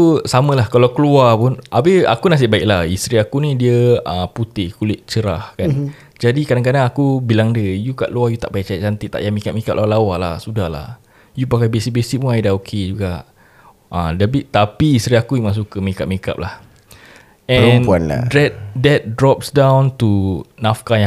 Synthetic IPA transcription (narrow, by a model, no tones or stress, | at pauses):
usamə̃lahkalawkəluapunabɪha̰kunas̬ɪʔbaɪk̚lahist̪ɾiakunidiəəput̪ɪhkulɪʔ̪̚t͡ʃəɾahkan | d͡ʒadikadaŋk̬adaŋakubilaŋdəjuka̰ʔluajut̪aʔpajat͡ʃajaʔ̚t͡ʃant̪it̪a̰ʔjamikaʔ̚mikap̚lʔalawaʔlahsudahla̰h | jupakajbesik̚besik̚punajdaokʰed͡ʒuɡaʔ | ədabiʔt̪apiːst̪ɾiakuimas̬ukəmikaʔ̚mika̰p̚lah | ɛ̃nanla̰dɛt̪̚dɛt̪̚dɾɔpsdãwnt̪unafkaja